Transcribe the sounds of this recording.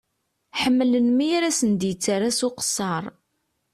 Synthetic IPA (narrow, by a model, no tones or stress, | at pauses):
ħəmːələnmiaɾæsənd̪jət͡sːaɾasʊqə̥sːɑɾˤ